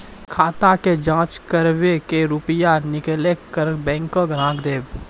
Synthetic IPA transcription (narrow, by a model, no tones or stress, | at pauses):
kʰaːt̪aked͡ʒãːt͡ʃkəɾwekeɾʊpɪjanɪklekəɾbɛ̃ːŋkõɡɾãːkd̪eːb